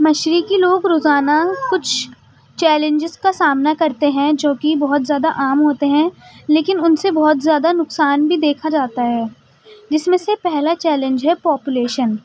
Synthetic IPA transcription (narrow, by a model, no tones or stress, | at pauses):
mɐʃɾikiloːɡɾoːzaːnakʊt͡ʃʰ | t͡ʃɛːlɪ̃ɲd͡ʒɪzkasaːmnakɐɾt̪eɦɛ̃d͡ʒoːkibɔɦʊt̪zjaːd̪aʔaːmɦoːt̪eɦɛ̃leːkɪnʊnsebɔɦɔt̪zjaːd̪anʊksaːnbʱid̪eːkʰad͡ʒaːt̪aɦɛː | d͡ʒɪsmẽsepɛɦlat͡ʃɛːlɪ̃nd͡ʒɦɛpɔːpjʊleːʃən